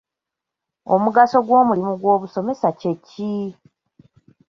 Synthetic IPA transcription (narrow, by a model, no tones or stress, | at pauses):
o̞muɡaso̞ɡwo̞ːmulimuɡwo̞ːβuso̞me̞sace̞ci